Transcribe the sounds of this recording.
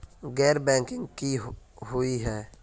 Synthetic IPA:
ɡɛːɾbɛ̃ːŋkɪ̃ŋɡki | ɦʊiɦɛː

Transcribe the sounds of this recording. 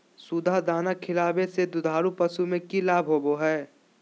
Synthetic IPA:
sud̪ʱad̪aːnakʰɪlaːbesed̪ʊd̪ʱaːɾupɐsumẽkilaːbʱɦoːboɦɛː

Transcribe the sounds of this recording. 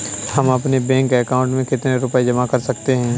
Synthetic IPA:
hɐmɐpnebɛ̃ːŋkɛːkãːʊ̃ɳʈmẽkɪt̪neɾʊped͡ʒɐmakɐɾsɐkt̪eɦɛ̃ː

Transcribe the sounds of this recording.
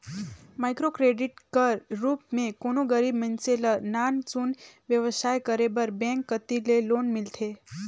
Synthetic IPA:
majkɾokɾeɖiʈkəɾɾuːpmẽkonoɡəɾibmənselənant͡ʃunʋjəʋəsajkəɾebəɾbɛ̃ŋkːət̪ilelonmɪlt̪ʰe

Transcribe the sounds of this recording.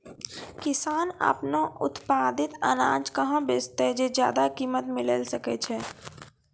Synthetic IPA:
kɪsaːnə̰pnaʔʊ̰t̪paːd̪ɪt̪ə̰nãːd͡ʒkəɦãbeːst̪ed͡ʒeːd͡ʒja̰ːd̪akiːmət̪meɪ̃lḛːlsəket͡ʃʰɛː

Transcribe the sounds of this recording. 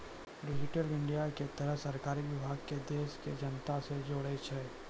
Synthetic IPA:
ɾɪd͡ʒɪʈəlɪ̃ɳɖijaket̪ɐɾəɦsɐɾkaːɾiʋɪbʱaːɡ̚ked̪eːʃked͡ʒənt̪ased͡ʒoːɽet͡ʃʰe

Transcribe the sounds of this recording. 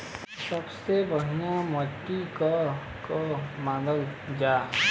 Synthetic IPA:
səbsebəɦijãməʈːikə | komãːdəld͡ʒaː

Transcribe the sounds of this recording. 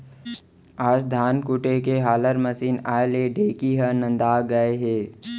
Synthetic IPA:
aːd͡ʒd̪ʱaːnkuʈekeɦaːləɾməsiːnaːeleɖʱeːkiɦənə̃nd̪aːɡɐeɦeː

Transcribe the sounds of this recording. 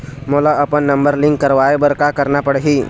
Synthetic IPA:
moːlaɐpənːə̃mbəɾlɪ̃ŋkːəɾʋaːebəɾkakəɾnapəɽɦiː

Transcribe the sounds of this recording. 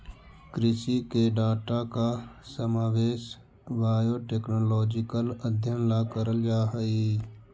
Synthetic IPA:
kɾɪʃikeɖaːʈakasəmaːʋeːʃ | baːjoːʈeːknoːlɔːd͡ʒɪkələd̪ʱjənlakəɾəld͡ʒaːɦəi

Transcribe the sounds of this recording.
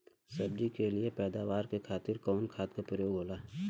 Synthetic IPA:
sɐb̚d͡ʒikeliepɛːd̪aːʋaːɾkekʰaːt̪ɪɾkɔːnkʰaːt̪kapɾəjoːɡɦoːlaː

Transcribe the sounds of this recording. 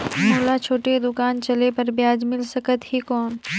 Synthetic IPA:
moːlat͡ʃʰoːʈed̪ʊkaːnt͡ʃɐlepɐɾbjaːd͡ʒmɪlsəkət̪ɦikɔːn

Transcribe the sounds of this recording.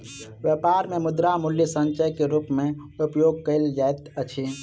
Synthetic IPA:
ʋjepaːɾmẽmʊd̪ɾamʊljəsə̃nt͡ʃəjkeɾuːpmẽ | ʊpjoːɡ̚kəɪld͡ʒaːet̪ət͡ʃʰe

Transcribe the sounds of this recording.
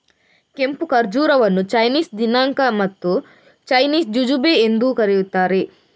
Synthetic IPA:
ke̞mpukɐɾd͡ʒuːɾɐʋɐnːut͡ʃɐjniːsd̪inaːŋkɐmɐt̪ːu | t͡ʃɐjniːsd͡ʒud͡ʒubeːnd̪ukɐɾijut̪ːaːɾe̞

